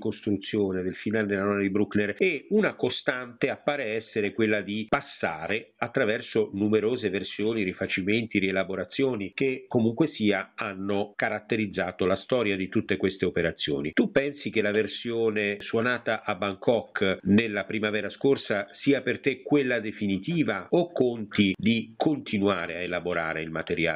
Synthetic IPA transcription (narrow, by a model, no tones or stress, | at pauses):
kost̪ɾut̪sːjoːned̪elfinaːled̪elanɔnad̪ibɾuknereunakost̪ant̪eapːaːɾeɛsːeɾekwelːad̪ipasːaːɾeat̪ːɾavɛrsonumeɾoːzeversjoːniɾifat͡ʃiment̪iɾielaboɾat̪sːjoːnik̟ekːomuŋkwesiːaanːokaɾat̪ːeɾid̪zːaːt̪olast̪ɔːɾjad̪it̪ut̪ːekwest̪eopeɾat̪sːjo̰ːnit̪upːɛnsik̟elaversjoːneswonaːt̪aʔabːaŋkʰɔkːnelːapɾimavɛːɾaskorsasiːapert̪ekwelːad̪efinit̪iːvaokːont̪id̪ikʰont̪inuaːɾeaelaboɾa̰ːɾeilmat̪eɾja̰ː